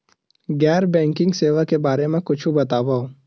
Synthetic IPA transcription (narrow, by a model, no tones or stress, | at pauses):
ɡɛːɾbɛ̃ːŋkɪ̃ŋɡseːʋakebaːɾemẽkʊt͡ʃʰũbɐt̪aːbao